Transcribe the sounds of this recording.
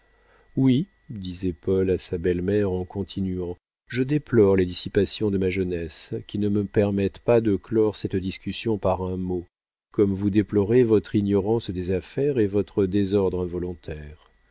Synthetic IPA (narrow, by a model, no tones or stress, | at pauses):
wi | d̪izɛpɔlasabɛlmɛʁɑ̃kɔ̃t̪ʰinɥɑ̃ | ʒəd̪eplɔʁled̪isipasjɔ̃d̪əmaʒənɛskʲinəməpɛʁmɛt̪pad̪əklɔʁsɛt̪d̪iskʲysjɔ̃paʁɛ̃mo | kɔmvud̪eplɔʁevɔt̪χinjɔʁɑ̃sd̪ezafɛʁevɔt̪χəd̪ezɔʁd̪ʁɛ̃vɔlɔ̃t̪ɛːʁ